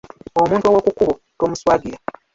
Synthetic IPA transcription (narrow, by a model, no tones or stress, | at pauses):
omuːntuowokukuβo | toːmuswaːdiɾa